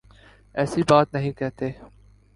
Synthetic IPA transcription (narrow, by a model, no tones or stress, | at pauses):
ɛːsibaːt̪nɐɦĩkɛɦt̪eː